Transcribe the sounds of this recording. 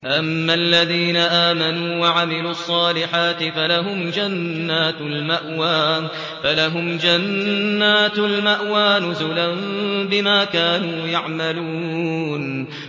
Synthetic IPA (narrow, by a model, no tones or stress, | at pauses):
ʔamːaalːaðiːnaʔaːmanuːwaʕamɪluːʔɑsˤːɑːlɪħaːt̪ɪfalaɦʊmd͡ʒanːaːt̪lmaʔwaː | falaɦʊmd͡ʒanːaːt̪almaʔwaːnʊzʊlanbɪmaːkaːnuːjaʕmaluː | n